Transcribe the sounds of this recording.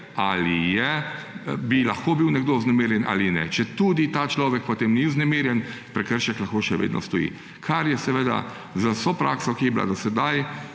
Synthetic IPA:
alijɛ | bilaxkoːbiwnɛɡd̪oʊznɛmeːɾjɛnʔa̰ːlinɛ̰t͡ʃɛt̪uːd̪it̪aːt͡ʃlɔːʋɛk̚pɔt̪eːmniʊznɛmeːɾjɛnpɾɛkəɾʃɛklɐxkoʃɛʋḛːd̪nɔ̰st̪ɔjḭ | kʰaɾjɛsɛʋeːd̪a̰ | zasopɾʔaːksɔkijɛbila̰d̪ɔsɛd̪aj

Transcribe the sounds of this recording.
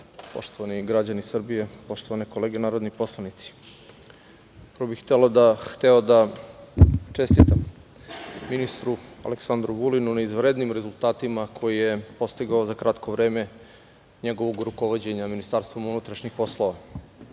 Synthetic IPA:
po̞̰ʃt̪oʋaniɡɾad͡ʑanisr̩bije̞po̞ʃt̪o̞ʋaneko̞leːɡenaːɾod̪nipo̞slˠanit̪si̥ | pɾobixt̪ɛlo̞d̪axt̪eod̪a | t͡ʃest̪it̪am | minist̪ɾua̰leksand̪ɾuʋulinunaizʋɾeːd̪nimɾezulˠt̪aːt̪imakʰo̞jije̞po̞st̪iɡaozakɾat̪kʰo̞ʋɾeːme̞ | ɲeɡo̞ʋo̞ɡɾuko̞ʋod͡ʑeɲaminist̪aːɾst̪ʋo̞munut̪ɾaʃɲixpo̞slˠoʋa

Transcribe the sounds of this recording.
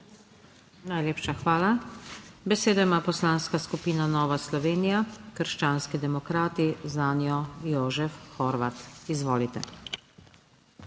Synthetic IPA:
najleːpʃaxʋaːla | bɛseːd̪ɔjmaːpɔslaːnskaskupiːnanɔːʋaslɔʋeːnijakəɾʃt͡ʃaːnskid̪ɛmɔkɾaːt̪izaːnjɔjoːʒɛfxɔɾʋat̪izʋoːlit̪ɛ̰

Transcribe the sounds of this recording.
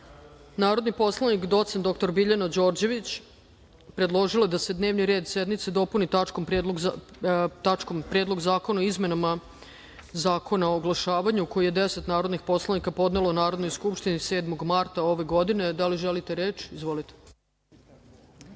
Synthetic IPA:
naːɾo̞d̪nipo̞slˠanikd̪o̞t̪send̪o̞kt̪o̞ɾbiʎanad͡ʑo̞ːɾd͡ʑe̞ʋit͡ɕ | pɾe̞d̪lˠo̞ʒiloed̪ase̞d̪ne̞ːʋniɾeːd̪sjed̪mit̪sed̪o̞punit̪at͡ʃkomped̪l | t̪at͡ʃkompɾed̪loɡzaːko̞naoizme̞nama | zaːko̞naoːɡlˠaʃaːʋaɲuko̞jije̞d̪ese̞t̪naːɾo̞d̪nixpo̞slˠanikapo̞d̪nelounaːɾo̞d̪no̞jskupʃt̪inise̞ːd̪mo̞ɡmaɾt̪ao̞ʋe̞ɡo̞d̪ine̞d̪aliʒelit̪e̞ɾe̞ːt͡ʃizʋo̞lit̪e̥

